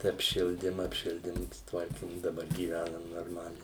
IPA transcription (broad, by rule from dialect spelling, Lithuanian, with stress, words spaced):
tɐɪ ɐpʲˈʃʲɪlʲdʲɪm ɐpʲˈʃʲɪlʲdʲɪm sʊˈtʋɐrʲkʲɪm dɐˈbɐr ɡʲiːˈʋʲænɐm noːrˈmɑːlʲɛɪ